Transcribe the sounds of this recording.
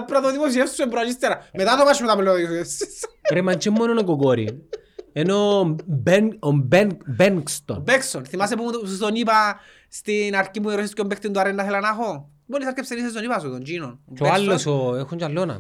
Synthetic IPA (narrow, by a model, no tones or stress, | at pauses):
pɾaðoðimos̬iefsuembɾalist̪eɾamet̪aðopaʃumet̪amelːosesisɾemant͡ʃemːoenonokokoɾḭ | enobombebeŋkst̪o̰nbeksonθimas̬epumzonipa | st̪inaɾkipueɾoʃiskombekt̪ind̪uaɾenːaθelanaxo | bolisaɾkepsenisezonipas̬uðond͡ʒinonoalːosoexunt͡ʃalːona̰